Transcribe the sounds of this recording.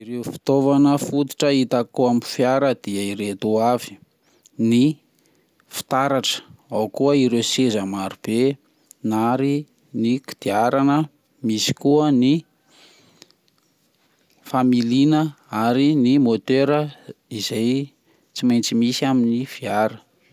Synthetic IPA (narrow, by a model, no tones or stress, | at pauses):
iɾewfi̥t̪ovanəfut̪i̥ʈ͡ʂəit̪akuamifjaɾəd̪̥iəiɾet̪oavi̥ | ni | fi̥t̪aɾaʈ͡ʂə̥awkuəiɾewsezəmaɾub̥e | naɾi | niki̥d̪̥iaɾanə | misi̥kuəni | familinə | aɾinimot̪eɾəizaj | t͡simajnt͡simisiaminifiaɾə̥